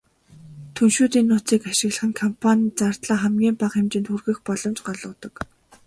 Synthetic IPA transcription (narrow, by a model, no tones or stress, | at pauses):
t̪ʰunʃuːt̪iːnːʊːt͡siːkaʃɪ̆ɣɮə̆χɘ̆ŋkʰɔmpʰanʲt͡sart̪ɮaːχæmɡʲiːmpaqxemt͡ɕɪ̆nt̪xurɣɘ̆xpɔɮɞ̆mt͡ɕɢɔɮɞ̆ːt̪ɞ̆k